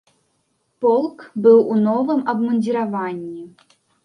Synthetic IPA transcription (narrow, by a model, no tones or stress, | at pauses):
pɔlˠkbɨwunɔvɨmɐbmɐnʲdʲiɾavanʲːi